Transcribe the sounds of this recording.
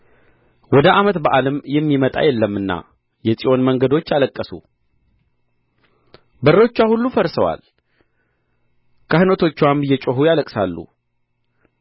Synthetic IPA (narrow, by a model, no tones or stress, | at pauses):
wɔd̪əʔamət̪bəʔaləmjɛmːimət̪ʼa̰jɛlːəmːɨnːa̰ | jɛsʼijo̞nməŋɡəd̪o̞t͡ʃːjaləkʼːəsṵ | bərət͡ʃːwahulːufəɾsəwa̰l | kʰahnət̪ʰo̞t͡ʃːwambɨjːɛt͡ʃʼoɦujaləkʼsa̰lːṵ